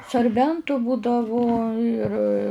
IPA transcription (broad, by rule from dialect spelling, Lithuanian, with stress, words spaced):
sɐrʲˈbʲɛntʊ ˈbuːdɐʋʊ ɪr